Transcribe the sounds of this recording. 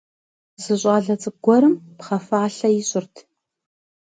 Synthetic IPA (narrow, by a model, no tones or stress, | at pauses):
zɨɕʼɑɮɐt͡sʼɨɡ̥ʷɔɾɨmpχɐfaːɬɐjɪɕʼɪrtʰ